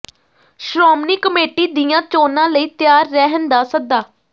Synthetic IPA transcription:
ʃɾoːmniːkəmeːʈiːd̪ijãːt͡ʃoːnãːləiːt̪jaːɾːɛɦənd̪aːsək̚d̪aː

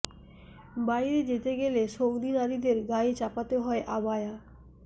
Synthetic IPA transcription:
bajɾed͡ʑet̪eɡeleʃowd̪inad̪id̪eɾɡajt͡ɕapat̪eɦɔeʔabaja

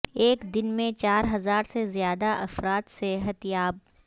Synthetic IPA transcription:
eːkd̪ɪnmẽt͡ʃaːɾɦɐzaːɾsezijaːd̪aʔɐfɾaːt̪seɦɐt̪ijaːb̚

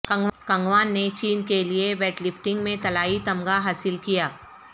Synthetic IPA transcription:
kɐ̃ŋɡkɐ̃ŋɡʋaːnːet͡ʃiːnkelieʋɛːʈlɪfʈɪ̃ŋɡmẽt̪ɐlaːit̪ɐ̃mɡaɦaːsɪlkijaː

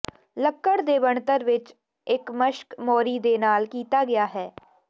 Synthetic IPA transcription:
ləkːəɽd̪eːʋəɳt̪əɾʋɪt͡ʃ | ɪkməʃkmɔːɾiːd̪eːnaːlkiːt̪aːɡɪjaːɦɛː

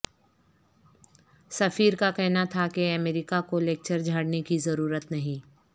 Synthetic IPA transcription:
sɐfiːɾkakɛɦnat̪ʰakeɐmeːɾɪkakoleːk̚t͡ʃəɾd͡ʒʱaːɽnekizɐɾuːɾət̪nɐɦĩː

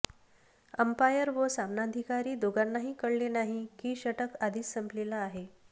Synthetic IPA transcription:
əmpajəɾʋəsamnad̪ʱikaɾiːd̪oɡanːaɦiːkəɽlenaɦikiːɕəʈəkad̪ʱiːssːəmplelaːɦe

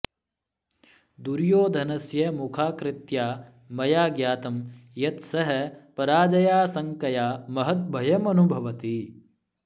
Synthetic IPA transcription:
d̪uɾjoːd̪ʱɐnɐsjɐmukʰaːkɾɪt̪jaː | mɐjaːɡjaːt̪ɐmjɐt̪sɐɦɐ̆pɐɾaːd͡ʒɐjaːsɐŋkɐjaːmɐɦɐt̪̚bʱɐjɐmɐnubʱɐʋɐt̪i

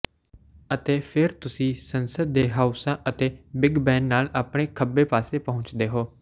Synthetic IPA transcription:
ət̪eːpʰɪɾt̪ʊsĩːsənsəd̪ːeːɦaːusãːʔət̪eːbɪɡbɛ̃ːnːaːlaːpɽeːkʰəbeːpaːseːpəɦʊ̃ɲt͡ʃd̪eːɦoː

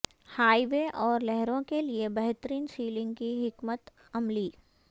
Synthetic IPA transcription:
haːiʋeʔɔːɾlɛɦɾõkeliebɐɦt̪əɾiːnsiːlɪ̃ŋɡ̚kiɦɪkmət̪ | ɐmliː

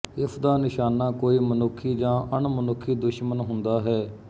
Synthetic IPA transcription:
ɪsʰd̪aːnɪʃaːnːaːkoːiːmənʊkʰːiːd͡ʒãːʔəɳmənʊkʰːiːd̪ʊʃmənɦʊ̃nd̪aːɦɛː

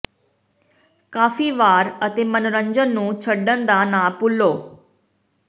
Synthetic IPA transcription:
kaːfiːʋaːɾət̪emənɾə̃ɲd͡ʒənːũːt͡ʃʰəɖːənd̪anapʊlːoː

